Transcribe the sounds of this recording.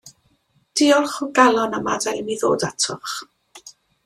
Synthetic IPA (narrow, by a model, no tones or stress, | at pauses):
d̥iɔlˠχɔɡalˠɔnamadamiðo̰ːdatʰɔχ